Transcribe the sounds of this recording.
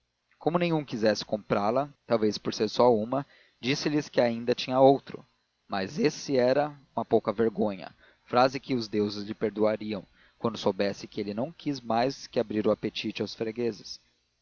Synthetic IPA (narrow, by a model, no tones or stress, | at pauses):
kõmʊnẽj̃ɲ̃ũkizɛsɪ̥kõmpɾalɐt̪awvespoɾseɾsɔũmɐ | d͡ʒisɪlɪskɪaĩnd̪ɐt͡ʃĩɲɐowt̪ɾʊ̰ | mɐzesɪɛɾɐũmɐpowkɐveɾɡõɲɐ̰ | fɾazɪkɪʊzd̪ewzɪzlɪpeɾd̪uaɾiɐ̃w̃ | kwɐ̃nd̪ʊsowbɛsɪkɪelɪnɐ̃w̃kʰizmajskɪabɾiɾʊapet͡ʃit͡ʃɪawsfɾeɡezɪs